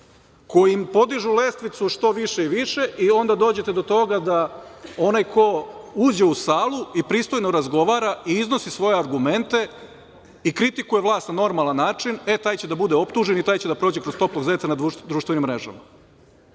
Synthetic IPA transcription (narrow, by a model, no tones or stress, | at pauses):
ko̞jimpo̞d̪iʒule̞st̪ʋit̪suʃt̪o̞ʋiʃe̞iʋiʃe̞ʔio̞nd̪ad̪o̞ːd͡ʑe̞t̪e̞d̪o̞t̪o̞ɡad̪ao̞najkʰo̞uːd͡ʑe̞usaːlˠuipɾiːst̪o̞jno̞ɾazɡo̞ʋaːɾaʔiizno̞sisʋo̞jeaɾɡume̞nt̪e̞ | ikɾit̪ikujeʋlˠaːst̪nano̞ɾmalanːaːt͡ʃine̞t̪aːjt͡ɕed̪abud̪eo̞pt̪uːʒe̞nit̪aːjt͡ɕe̞d̪apɾo̞ːd͡ʑe̞kɾost̪o̞plˠo̞ɡzait̪sanaud̪ɾuːʃt̪ʋe̞nimːɾe̞ʒa̰ma